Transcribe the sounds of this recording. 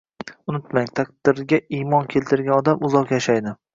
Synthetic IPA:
ʊnɪt̪maŋt̪ʰaqd̪ɪɾɡʲaimɒnkʲʰe̞lt̪ʰɪɾɡʲanɒd̪amʊzɒqjaʃajd̪ɪ

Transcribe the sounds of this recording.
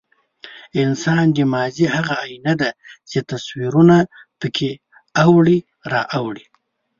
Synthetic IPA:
ɪnsɑnd̪əmɑzihaɣaːjinad̪at͡ʃet̪aswiɾunapəkʰe | awɽi | ɾɑʔawɽi

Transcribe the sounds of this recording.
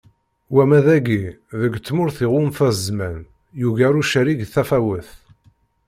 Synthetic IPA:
wæmæðæɡiðəɡt͡sːmʊɾθiʁumθæzmæn | juʝæɾuʃæɾiɡθæfæwəθ

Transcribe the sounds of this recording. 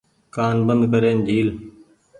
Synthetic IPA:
kaːnbənd̪kəɾeːnd͡ʒʱiːl

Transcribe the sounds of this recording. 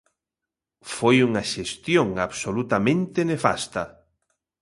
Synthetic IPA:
fojuŋaʃest̪joŋaβsolut̪amẽnt̪enefa̰st̪ɐ

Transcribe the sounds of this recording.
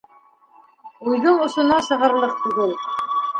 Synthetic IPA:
ʉjðɤɴŏʃŏnɑʃɤ̆ʁɤ̆ɾlˠɤq̚t̪ʉɡɘl

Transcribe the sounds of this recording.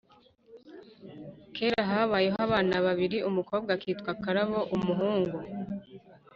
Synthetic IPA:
kʰe̞ːɾaɦaβajeɦaβaːnaβaβiɾiʔumuko̞ːbɡakiːtkwakaɾaβo̞ʔumuɦuːŋɡu

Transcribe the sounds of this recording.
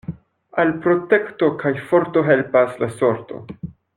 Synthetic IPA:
alpɾo̞te̞kto̞kʰajfo̞ɾto̞ɦe̞lpaslaso̞ɾto̞̰

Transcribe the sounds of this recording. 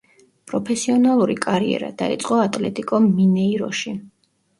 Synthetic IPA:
pʼɾɔpʰɛsiɔnalˠuɾḭkʼaɾiɛ̰ɾa̰d̪̥ait̪sʼqʼɔat̪ʼlɛt̪ʼikʼɔminɛiɾɔ̰ʃi

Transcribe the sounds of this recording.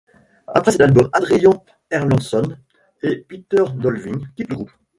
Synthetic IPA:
a̰pχɛsɛt̪albɔmad̪ʁijɔ̃ | ɛʁlɑ̃sɔn | epit̪œʁd̪ɔlviŋkʲit̪ləɡʁup

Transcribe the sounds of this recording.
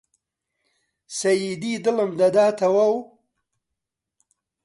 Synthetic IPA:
sɐjid̪id̪ələmd̪ɐd̪aːt̪awaw

